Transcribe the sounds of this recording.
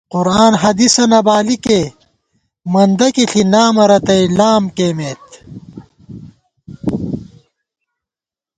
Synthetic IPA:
quɾaːnɦɐd̪isɐnɐbaːlike | mɐnd̪ɐkiɬʰinaːmɐɾɐt̪ɐilaːmkeːmeːt̪

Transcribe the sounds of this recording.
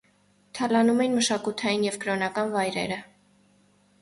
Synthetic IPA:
t̪ʰɑlɑnumɛjinməʃɑkut̪ʰɑjinjɛvkɾɔnɑkɑnvɑjɾɛ̰ɾə

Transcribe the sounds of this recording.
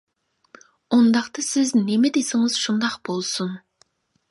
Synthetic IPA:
ond̪ɑqt̪ɑsɪznemɛd̪esɪŋɨz̥ʃund̪ɑqb̥olˠsʊn

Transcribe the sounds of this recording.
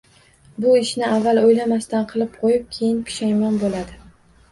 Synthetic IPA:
bʊɪʃnɪavːalˠojlamast̪anqʰɨlˠɪp̚qʰojɪp̚kʲʰejɪnpʰɪ̥ʃajmanbolad̪ɪ

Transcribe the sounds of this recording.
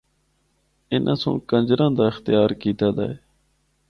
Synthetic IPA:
ɪnʔã̰ːsõ̰ːkə̃nd͡ʒɾãːd̪aːɪxt̪ɪjaːɾkiːt̪aːd̪a̰ːɦeː

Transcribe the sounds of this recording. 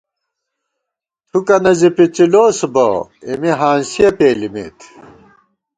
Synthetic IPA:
t̪ʰukɐnɐzipit͡ɕiloːsbo̰emiɦaːnɕijɐpeːlimḛːt̪ʰ

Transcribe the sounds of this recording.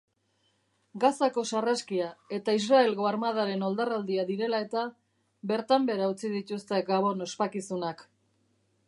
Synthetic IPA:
ɡasako̞saraskiae̞t̪ais̬rae̞lɣo̞aɾmað̞aɾe̞no̞ld̪arald̪iaðiɾe̞lae̞t̪a | βe̞ɾt̪ambe̞ɾaut͡sið̞it̪ust̪e̞ɡaβ̞o̞no̞spakisunak

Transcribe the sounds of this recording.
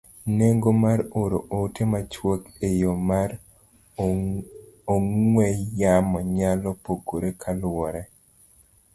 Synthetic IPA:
neŋɡomaɾoɾoʔotʰemat͡ʃwokejomaɾ | oŋwɛjamɔɲalɔpoɡoɾekʰalwɔɾɛ

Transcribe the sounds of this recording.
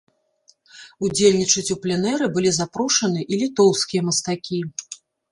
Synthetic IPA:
ud͡zʲelʲnʲit͡ʂɐt͡sʲuplʲɛnɛɾɨbɨlʲizapɾuʂɐnɨʔilʲit̪ɔwskʲijɐmɐst̪akʲi

